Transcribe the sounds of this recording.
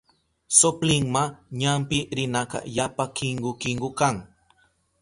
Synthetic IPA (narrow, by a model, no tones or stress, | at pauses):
soplɪŋmaɲampɪɾɪnakɑ̰japakɪŋɡʊkɪŋɡʊkaŋ